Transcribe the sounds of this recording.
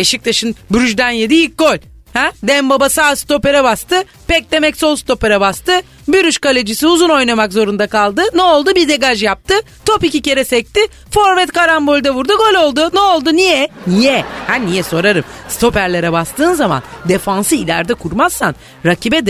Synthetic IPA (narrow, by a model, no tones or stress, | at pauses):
eʃic̚t̪ʰaʃɯnbyɾyʒd̪ænjed̪iilc̚ɡo̞lʲ | hɛd̪ɛmbabasaːst̪o̞pe̞ɾɛbast̪ɯ | pɛc̚d̪e̞mɛcso̞lˠst̪o̞peɾɛbast̪ɯ | byɾyʃkalʲed͡ʒisiuzuno̞jnamakzo̞ɾund̪akalˠd̪ɯnɛolˠd̪ubid̪e̞ɡaʒjap̚t̪ʰɯ | t̪ʰo̞picice̞ɾɛsɛc̚t̪ɪ | fo̞ɾvɛt̪kaɾambo̞lʲd̪avuɾd̪uɡo̞lʲo̞lˠd̪ʊnɛolˠd̪unijɛnijɛhænijɛso̞ɾaɾɯmst̪o̞pæɾlʲeɾɛbast̪ʰɯːnzama̰nd̪e̞fansɯilʲæ̰ɾd̪ɛkʰuɾmazsa̰n | ɾacʰibɛd̪